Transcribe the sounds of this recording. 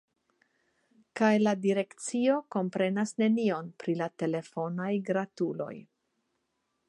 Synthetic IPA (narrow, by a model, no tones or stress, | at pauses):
kajladiɾe̞kt͡sio̞ko̞mpɾe̞nasne̞nio̞npɾilate̞le̞fo̞najɡɾatulo̞̰j